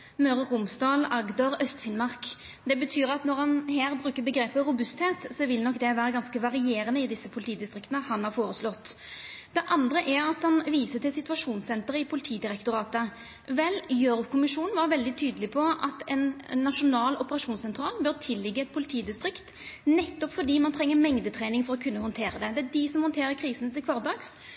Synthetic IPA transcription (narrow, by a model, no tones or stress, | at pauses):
møʁəʁʊmsd̪ɑːlɑɡd̪ɑʁœst̪fɪnmɑʁk | d̪ɛbət̪ʰyːʁɑt̪nɔɾhɑnɦeːʁbɾʉːkəbəɡɾeːpəɾʊbʉst̪heːt̪sɔʋɪlnɔkːd̪ɛʋæːɾʁəɡɑnskəʋɑʁɪeːɾənəɪd̪ɪsːəpʰʊlɪt̪ʰiːd̪ɪst̪ʁɪkt̪ənəhɑnhɑːɾfoːɾəslɔt̪ː | d̪ɛʔɑnd̪ʁəʔæʁɑt̪hɑnʋiːsət̪ɪlsɪt̪ʉʋɑʂuːnsɛnt̪əʁɪpʰʊlɪt̪ʰiːd̪ɪʁɛkt̪ʊɾɑːt̪ə | ʋɛlːjøːɾʊkʰʊmɪʂuːnnʋɑɾʋɛld̪ɪt̪ʰyːd̪əlɪpʰɔʔɑt̪ɛnːɑʂʊnɑːlɔpəʁɑʂuːnsɛnt̪ʰɾɑːlbœɾt̪ʰɪlːɪɡːəɛt̪̚pʰʊlɪt̪ʰiːd̪ɪst̪ɾɪkt̪ | nɛt̪ːɔpfɔɖ̪iːmɑnt̪ʰɾɛŋːəmɛŋd̪ət̪ʰɾɛːnɪŋfɔɾɔkʰʉnːəhɔnt̪ʰeːɾəd̪ɛd̪ɛædɪsɔmhɔnt̪ʰeːɾəkʰɾiːsənt̪ʰɪlkʋɑʁd̪ɑːks